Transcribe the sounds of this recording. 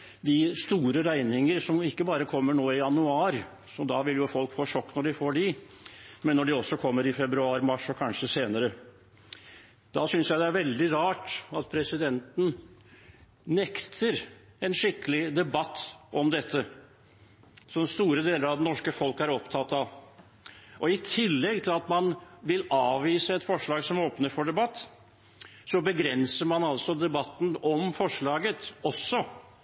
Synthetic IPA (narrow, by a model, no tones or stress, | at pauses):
d̪ɪst̪uːɾəɾæɪnɪŋəɾsɔmɪkːəbɑːɾəkʰɔmːəɳoːɪjɑnʉɑːɾ | sɔd̪ɑʋɪljʊfɔlkfoːʂɔkːnɔɖɪfoːɖɪ | mɛnːɔɖɪɔsːɔkʰɔmːəɾɪfɛbɾʉɑːɾmɑʂɔkʰɑnʂəseːnəɾə | d̪̥ɑsʏnsjæɪd̪ɛæɾʋɛld̪ɪɾɑːʈɑt̪pʰɾɛsɪd̪ɛnt̪n̩ | nɛkt̪ʰəɾ | ɛnʂɪkːəlɪd̪ɛbɑt̪ːʔɔmd̪ɛt̪ʰːə | sɔst̪uːɾəd̪eːləɾɑʋd̪ɛnɔʂkəfɔlkæɾɔpt̪ʰɑt̪ːɑʋ | ɔɪt̪ʰɪlːɛɡ̚t̪ʰɪlɑt̪mɑnʋɪlɑːʋiːsəɛt̪fɔʂɭɑːɡsɔmoːpnəɾfɔɖɛbɑt̪ː | sɔbəɡɾɛnsəmɑnɑlsɔd̪ɛbɑt̪ːn̩ɔmfɔʂɭɑːɡət̪ɔsːɔ